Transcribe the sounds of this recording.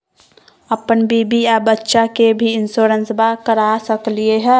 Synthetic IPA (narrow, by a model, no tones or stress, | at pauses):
əpənbibiabətːʃakebʱiɪnsoɾənsbakəɾasəklieɦɛ